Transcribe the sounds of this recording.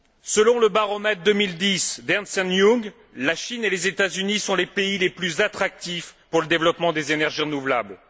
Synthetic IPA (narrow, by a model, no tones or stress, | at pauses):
səlɔ̃ləbaʁɔmɛt̪χd̪əmild̪isd̪ɛʁnsɛnjuɡ | laʃinelezet̪azynisɔ̃lepeileplyzat̪χak̚t̪ifpuʁləd̪evlɔpmɑ̃d̪ezenɛʁʒiʁənuvlabl